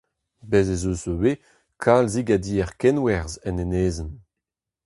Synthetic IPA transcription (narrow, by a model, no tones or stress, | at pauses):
bezezozowe | kʰaːlziɡad̪iːɛʁkɛnwɛʁzɛneneːzən